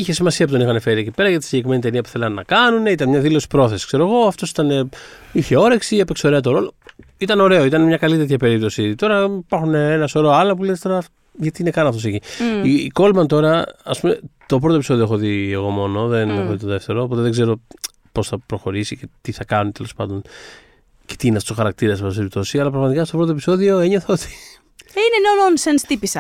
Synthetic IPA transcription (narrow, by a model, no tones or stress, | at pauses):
içe̞simɐsiɐp̬oðnixɐnefe̞ɾiecipe̞ɾɐʝɐt̪i̥siɲɟe̞kɾime̞nit̪e̞niɐpu̥θe̞lɐnːɐ̰kɐnune̞it̪ɐnmɲɐðilo̞si̥pɾo̞θesi̥kse̞ɾoɣo̞ɐft̪o̞si̥t̪ɐne̞içe̞o̞ɾeksiɐpekso̞ɾe̞ɐt̪̬o̞ɾo̞lo̞ | it̪ɐno̞ɾe̞oit̪ɐnemɲɐkɐlit̪et̪çɐpe̞ɾip̚t̪osit̪o̞ɾɐipɐɾxuneenɐsoɾoɐlɐpulet̪st̪o̞ɾɐ | ʝɐt̪iinekɐnɐft̪oseciiko̞lmɐnt̪o̞ɾɐɐspumet̪o̞pɾot̪opiso̞ðioexoðieɣo̞mo̞no̞ðenexoðit̪oðe̞ft̪e̞ɾoːpo̞t̪eðeɡze̞ɾo̞ | po̞sθɐpɾo̞xo̞ɾisicet̪iθɐkɐnunt̪elo̞spɐnd̪o̞n | ce̞̥t̪iiːneɐft̪osxɐɾɐk̚t̪iɾɐsɐfos̬peɾipt̪o̞siɐlɐpɾɐɣmɐt̪ikɐst̪o̞pɾo̞t̪opi̥so̞ðio̞eɲoθoot̪i̥ | inenononsenst̪ipisɐ